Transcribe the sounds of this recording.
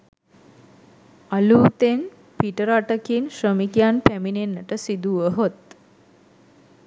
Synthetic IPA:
aluːt̪en | piʈəɾaʈəkinʃrəmikjanpæminenːəʈəsid̪uʋəɦot̪

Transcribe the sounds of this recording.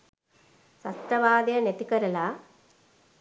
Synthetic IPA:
sɐt̪ɾɐʋaːd̪jɐnet̪ikɐɾɐla

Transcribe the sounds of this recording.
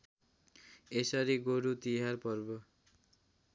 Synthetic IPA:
esʌɾiɡoɾut̪iɦarpʌrbo

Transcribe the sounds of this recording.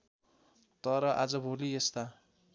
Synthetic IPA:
t̪ʌɾʌʔad͡zʌbʱoliest̪a

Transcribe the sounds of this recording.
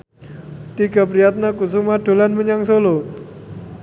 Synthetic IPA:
t̪iɡ̥a̤pɾijat̪̚nakus̬umad̥o̤lanməɲaŋsolo

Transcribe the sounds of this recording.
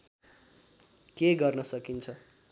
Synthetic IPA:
keɡʌrnʌsʌkint͡sʰʌ

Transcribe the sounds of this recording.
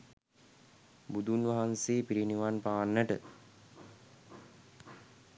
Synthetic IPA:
bud̪unʋaɦanseːpiɾiniʋanpaːnːəʈə

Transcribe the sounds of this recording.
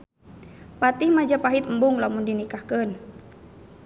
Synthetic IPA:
pat̪ihmad͡ʒapaɦit̪m̩buŋlamundinikahkən

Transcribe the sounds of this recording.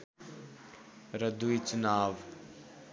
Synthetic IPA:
ɾəd̪uit͡ʃʊnaːʋ

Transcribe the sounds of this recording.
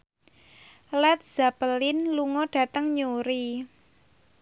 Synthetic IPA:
lɛt̪̚z̥apəlɪnluŋɔɖ̥ä̤t̪əŋɲuɾi

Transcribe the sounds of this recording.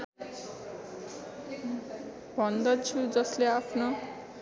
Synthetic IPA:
bʱʌnd̪ʌt͡sʰud͡zʌsleapʰno

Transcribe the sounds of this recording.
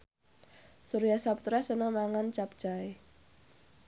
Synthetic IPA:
suɾijasapt̪ɾasənɔmaŋant͡ʃap̚d͡ʒ̥ae

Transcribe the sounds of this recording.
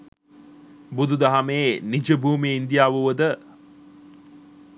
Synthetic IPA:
bud̪ud̪aɦameːnid͡ʒəbʱuːmiind̪ijaːʋuʋəd̪ə

